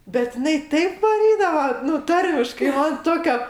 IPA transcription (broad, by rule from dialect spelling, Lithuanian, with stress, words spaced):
bʲɛt ɪˈnɐɪ ˈtɐɪp ʋɐˈrʲiːdɐʋɐ ˈnʊ ˈtɐrʲmʲɪʃkɐɪ ˈmɐn ˈtoːkʲɛ